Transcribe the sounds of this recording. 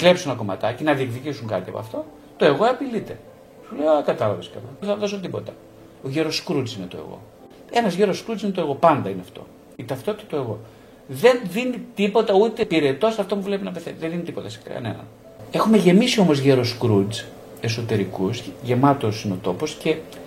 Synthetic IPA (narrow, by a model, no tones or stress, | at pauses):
kle̞psunɐko̞mɐ̰t̪ɐcenɐðie̞kðicisuŋkɐt̪iɐ̰poɐ̰ft̪o̞ | t̪o̞e̞ɣo̞ɐpilit̪e̞ | sulejokɐt̪ɐlɐveskɐlɐeθɐðo̞sot̪ipo̞t̪ɐ | oʝeɾo̞skɾud͡zinet̪o̞̰ḛɣo̞̰ | e̞nɐzʝeɾo̞skɾuzinet̪oeɣo̞pɐnd̪ɐineɐft̪o̞̰ | it̪ɐft̪o̞t̪i̥t̪ɐt̪oe̞ɣo̞ | ðe̞nðinit̪ipo̞t̪ɐut̪epiɾet̪ost̪ɐft̪omuvle̞pinɐpeθeðeðinit̪i̥po̞t̪ɐse̥kɐ̰ne̞̰nɐ̰n | e̞xume̞ʝe̞misio̞mozʝeɾoskɾud͡z | e̞so̞t̪e̞ɾikusʝe̞mɐt̪osineo̞t̪o̞po̞sce̞